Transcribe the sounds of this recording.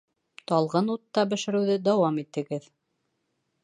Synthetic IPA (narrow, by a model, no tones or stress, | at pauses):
t̪ɑlˠʁɤnut̪ːɑbɘ̆ʃɘ̆ɾɘ̆wðɘd̪æwɑmit̪ʰːɘ̆ɡɘð